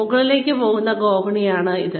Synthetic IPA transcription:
uɣɐɭile̞ːkʲːɨpo̞ːɣunːɐɡoːbɐɳijaːɳɨiðɨ

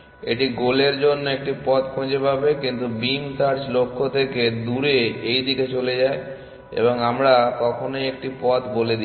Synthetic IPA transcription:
eʈiɡoleɾd͡ʑonːoek̚ʈipɔt̪kʰõd͡ʑebabekint̪ubimsaɾd͡ʑlokʰːot̪ʰeked̪uɾeejd̪iket͡ɕoled͡ʑae | ḛboŋamɾak̪ɔkʰonojek̚ʈipɔt̪boled̪i

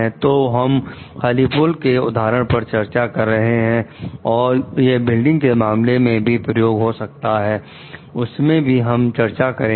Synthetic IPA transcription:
ɛ̃t̪oːɦɐm | xaːlipʊlkeʊ̰d̪ʱaːɾəɽ̃pɐɾt͡ʃɐɾt͡ʃakɐɾːɐɦeɦɛ̃ɔːɾjebɪlɖɪ̃ŋɡkemaːmlemẽbʱipɾəjoːɡɦosɐk̚t̪aɦɛː | ʊsmẽbʱiɦɐmt͡ʃɐɾt͡ʃakɐɾẽ

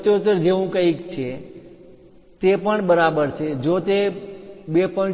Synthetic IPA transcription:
t̪ot̪əɾd͡ʒeʋũkəikt͡ʃʰe | t̪epəɳbəɾabəɾt͡ʃʰed͡ʒot̪ebepə

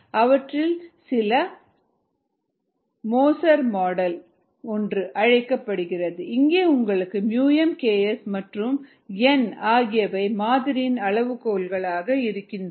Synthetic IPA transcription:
ɐʋɐʈrɪlsɪlɐ | moːsɐɾmoːɽɐl | ɔndrɯʔɐɻɐɪkːɐpːɐɽɯɣɪrɐðɯɪŋɡeːʊŋɡɐɭɯkːɯmjuːjɛmkeːɛsmɐʈrɯm | ɛnaːɣɪjɐʋɐɪmaːðɪɾɪjɪnɐɭɐʋɯkoːlɣɐɭaːɣɐɪɾɯkːɪn

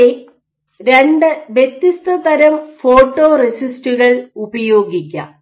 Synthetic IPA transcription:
e | ɾeɳɖɨʋjet̪ːist̪ɐt̪ɐɾɐmfo̞ːʈːo̞ːresistuɣɐɭubɐjo̞ːɡik̬ʲːɐ̰

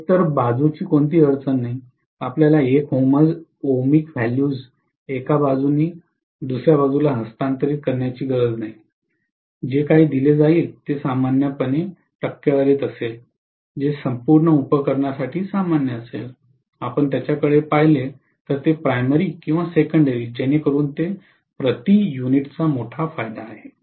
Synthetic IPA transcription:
t̪əɾbad͡zut͡ɕiːkoɳt̪iːəɾt͡sənːaɦi | apljalaekɦoməd͡zomikʋɛljuːd͡z | ekabad͡zuniː | d̪usɾjabad͡zulaɦəst̪ãnt̪əɾiːt̪̚kəɾɳjat͡ɕiːɡəɾəd͡znaɦi | d͡ʑekaɦiːd̪iled͡zaiːlt̪esamanjəpəne | ʈəkːjaʋəɾeːt̪əsel | d͡ʑesəmpuːɾɳəupəkəɾɳjasaʈʰiːsamanjəəsḛl | apəɳt̪jat͡ɕakəɭepaɦile | t̪əɾt̪epɾajməɾiːkĩw̃ʋasekəɳɖəɾiːd͡ʑɛnekəɾuːnt̪e | pɾət̪ijuniʈt͡samoʈʰafajd̪aːɦe

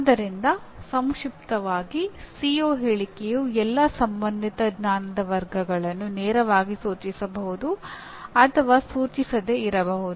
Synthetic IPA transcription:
ad̪ɐɾind̪ɐsɐmkʂipt̪ɐʋaːɡisiːoːɦeːɭikejuːɛlːɐsɐmbɐnd̪it̪ɐɡɲaːnɐd̪ɐʋɐɾɡɐɡɐɭɐnːunɛːɾɐʋaːɡisuːt͡ʃisɐbɐɦud̪u | ɐt̪ʰɐʋasuːt͡ʃisɐd̪eiɾɐbɐɦud̪uu

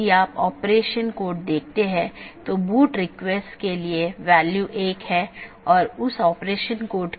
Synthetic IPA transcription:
iaːpɔːpɾeːʃənkoːʈ̚d̪eːk̚ʰt̪eɦɛ̃t̪obuːʈɾɪkʋɛsʈkelieʋɛːljuːʔeːkɦɛ | ɔːɾʊsɔːpɾeːʃənkoːʈ

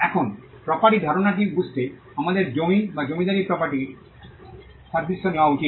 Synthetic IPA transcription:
ɛkʰon | pɾɔpaʈid̪ʱɔɾonaʈ̬ibust̪e | amad̪eɾd͡ʒomibad͡ʒomid̪aɾipɾɔpaʈi | saɾd̪isːonewaut͡ʃi

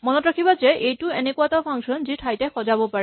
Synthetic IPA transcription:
mɔnɔtɹakʰibazeʔejtuenekuatɔpʰaŋkʃɔnziʈʰajtɛxɔzabɔpaɹɛ

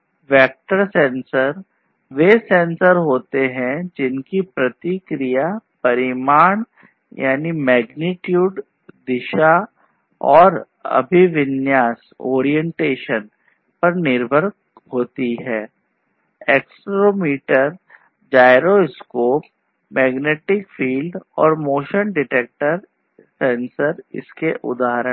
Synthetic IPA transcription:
ʋɛːk̚ʈəɾsɛ̃ːnsəɾ | ʋeːsẽːnsəɾɦoːt̪eɦɛ̃d͡ʒɪnkipɾɐt̪ikɾijapɐɾɪmaːɳ | jʔa̰ːnimɛːɡnɪʈjuːɖ | d̪ɪʃa | ɔːɾ | ɐ̰bʱiʋɪnjaːs | o̰ːɾijɛ̃ɳʈeːʃən | pɐɾnɪɾbʱəɾk | hoːt̪iɦɛː | eːksʈɾoːmiːʈəɾ | d͡ʒaːɪɾoskoːp | mɛːɡneːʈɪkfʰiːlɖɔ̰ːɾmoːʃənɖɪʈeːk̚ʈəɾ | sɛ̃ːnsəɾɪ̰skeʔʊ̰d̪aːɦɾə

